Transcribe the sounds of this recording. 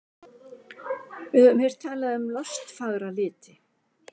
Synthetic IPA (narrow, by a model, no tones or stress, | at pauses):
ɪðʏmhɛɾ̥t̪ʰaːlaðʏmlɔst̪faɣɾalɪːt̪ɪ